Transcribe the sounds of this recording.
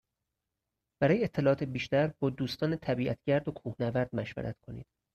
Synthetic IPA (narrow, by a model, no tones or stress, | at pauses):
b̥æɾɒːjeet̪ʰːe̞lɒːɒːt̪ebiːʃt̪æɾbɒːd̪uːst̪ɒːnet̪ʰæbiːʔæt̪ʰɟæɾd̪okʰuːhnævæɾd̪mæʃvæ̰ɾʔæ̰t̪kʰo̞nḭːd̪̥